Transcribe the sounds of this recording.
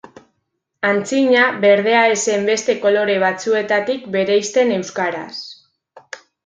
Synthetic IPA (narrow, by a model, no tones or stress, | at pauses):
ant͡siɲaβe̞ɾð̞e̞ae̞se̞mbe̞st̪e̞ko̞lo̞ɾe̞β̞at͡sue̞t̪at̪ikbe̞ɾe̞jst̪e̞ne̞wskaɾa̰s